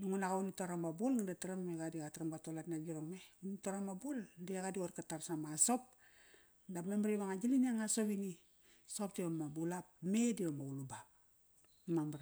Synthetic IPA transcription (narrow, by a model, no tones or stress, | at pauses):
duŋunaɣaunitoɾamabulŋadataɾammeɡadiɡatɾamɡatolatnaɡiɾoŋmeunitoɾamabuldeaɡadioɾkatarsamasop̚ | dapmamɾeβaŋad͡ʒiliniaŋasopini | sopdiβamabulapmediβamauluba | mamɾ